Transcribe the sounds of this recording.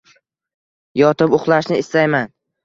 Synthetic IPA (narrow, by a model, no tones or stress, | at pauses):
jɒt̪ʰɪpʊχlˠaʃnɪɪst̪ajman